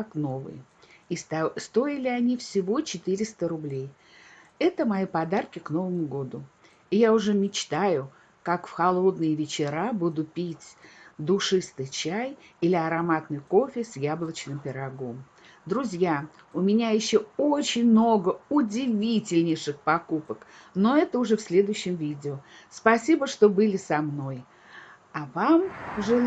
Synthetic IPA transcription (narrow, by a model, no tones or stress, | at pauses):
akno̞vɨ̰j | st̪o̞ɪlʲɪɐnʲifsʲɪvo̞t͡ɕɪt̪ɨɾʲɪst̪əɾʊblʲej | ɛt̪əmɐjipɐd̪arkʲɪkno̞vəmʊɡo̞d̪ʊ | ɪjaʊʐɛmʲɪt͡ɕt̪ajʊ | kakfxɐlˠo̞d̪nɨjəvʲɪt͡ɕɪɾabud̪ʊpʲitʲd̪ʊʂɨst̪ɨjt͡ɕæjilʲɪɐɾɐmat̪nɨjko̞fʲɪsʲjablˠət͡ɕnɨmpʲɪɾɐɡo̞m | d̪ɾʊzʲja | ʊmʲɪnʲajɪɕːoot͡ɕɪnʲmno̞ɡəʊdʲɪvʲitʲɪlʲnʲɪjʂɨxpɐkupək | no̞ɛt̪əʊʐɛfsʲlʲe̞d̪ʊjʊɕːɪmvʲidʲɪʊ | spɐsʲibəʂt̪o̞bɨlʲɪsɐmno̞j | avamʐɨ